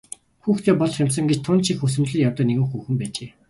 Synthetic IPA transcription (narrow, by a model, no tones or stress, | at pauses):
xuːxt̪ʰeːpɔɮχam̥ʲs̬ə̆ŋɡet͡ɕt̪ʰʊnt͡ɕʰixɵs̬ɘ̆mɮɘ̆kjawt̪ɔ̆ːneɣɘ̆ŋxuːxɘ̆mpæːt͡ɕeː